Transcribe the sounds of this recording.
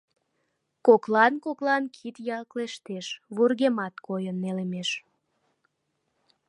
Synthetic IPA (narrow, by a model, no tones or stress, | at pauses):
koklɑnkoklɑnkʰit̪jɑlkleʃt̪eʃβurɣemɑt̪kojənːelemeʃ